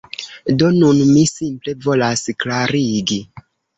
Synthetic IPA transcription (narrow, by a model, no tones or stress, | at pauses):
do̞nunmisimple̞vo̞lasklaɾiɡi